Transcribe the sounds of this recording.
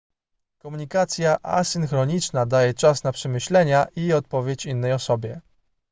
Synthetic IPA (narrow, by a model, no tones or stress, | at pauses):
kɔmuɲikat̪sʲjaʔa̰sɘŋxɾɔɲit͡ʂnad̪ajɛt͡ʂasnapʂɛmɘɕlɛɲaʔiɔt̪̚pɔvʲjet͡ɕinːɛjɔsɔbʲjɛ